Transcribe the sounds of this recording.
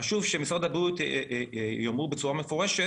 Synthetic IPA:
aʃuvʃemisʁad̪abut̪ | jomʁubet͡suʁamefoʁeʃe

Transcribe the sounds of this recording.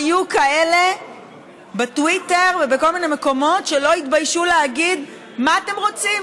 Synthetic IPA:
jukae̞le̞ | betwite̞ʁvebeko̞lmine̞me̞ko̞mo̞tʃe̞lo̞itbajʃuleaɡid | maːte̞mʁo̞t͡sim

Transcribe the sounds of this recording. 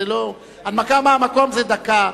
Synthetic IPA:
elo | ad̪makamaamakomzed̪aka

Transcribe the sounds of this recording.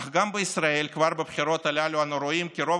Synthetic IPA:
χɡambɨisraelʲkvarbɨpχʲiɾot̪alʲalʲuanoɾoimkʲɪɾo

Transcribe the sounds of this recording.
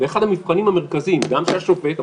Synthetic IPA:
veːχad̪hamifχanimameʁkazimɡamʃejaʃukbejt̪a

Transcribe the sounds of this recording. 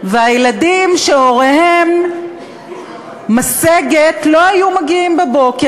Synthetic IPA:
veajeladimʃeo̞ʁehem | aseɡet̪lo̞hajumaɡiimbebo̞ke

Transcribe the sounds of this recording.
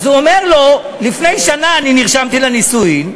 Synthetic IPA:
zuomeʁlo̞ | lifne̞jʃanaːniniʁʃamt̪ilenisuim

